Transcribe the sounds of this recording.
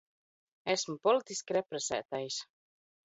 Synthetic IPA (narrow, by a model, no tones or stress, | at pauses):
æsmupɔlit̪iskʲiɾɛpɾɛsæ̰ːt̪ajs